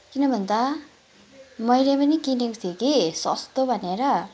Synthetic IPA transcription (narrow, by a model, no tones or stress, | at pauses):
kinʌbʱʌnd̪a | mʌjlepʌnikinekut̪ʰijekisʌ̰st̪obʱʌneɾʌ